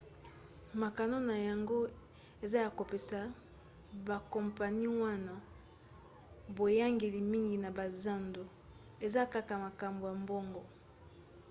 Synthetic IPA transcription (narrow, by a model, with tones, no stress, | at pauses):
ma˨ka˨no˦na˨ja˨ŋɡo˦ | e˨za˦ja˨ko˨pe˨sa˨ | ba˨kɔ˨mpa˨ni˦wa˦na˦ | bo˨ja˦ŋɡe˨li˨mi˦ŋɡi˨na˨ba˨za˦ndo˨ | e˨za˦ka˦ka˨ma˨ka˨mbo˨ja˨mbɔ˦ŋɡɔ˨